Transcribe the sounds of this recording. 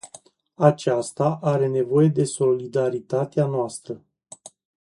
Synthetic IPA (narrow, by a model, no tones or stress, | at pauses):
at͡ʃast̪aʔaɾe̞ne̞vo̞je̞d̪e̞so̞lid̪aɾit̪at̪eanoast̪ɾə